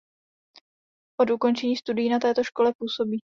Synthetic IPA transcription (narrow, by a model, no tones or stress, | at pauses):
ʔo̞dʔuko̞nt͡ʃɛɲiːst̪udɪjiːnat̪ɛːt̪o̞ʃko̞lɛpuːso̞biː